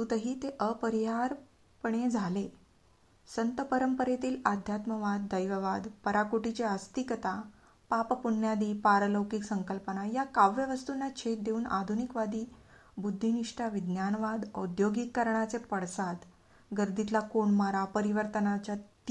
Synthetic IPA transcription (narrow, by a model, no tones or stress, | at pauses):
t̪ut̪əɦiːt̪eʔəpəɾiɦaɾ | pəɳ̃ed͡zʱale | sənt̪əpəɾəmpəɾet̪iːlad̪ʱjat̪məʋad̪ːəjʋəʋad̪pəɾakoʈit͡ɕeəst̪ikət̪a | pappuɳjad̪iːpaɾələwkiksəŋkəlpənajakaʋːeʋəst̪unːat͡ɕʰet̪̚d̪euːna̰d̪ʱunikʋad̪iː | bud̪ʱːiniʂʈaʋid̪njanʋad̪ə̰d̪joɡikːəɾɳat͡sepəɽsad̪ | ɡəɾd̪ʱit̪lakoɳmaɾapəɾiʋəɾt̪ənat͡ɕat